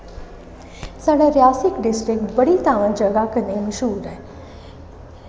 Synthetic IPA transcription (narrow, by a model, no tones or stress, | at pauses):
səɽəɾjasɪkɖɪsʈɾɪk̚ʈbəɽit̪aːʋə̃nd͡ʒəɡakəneməʃuːɾəɦ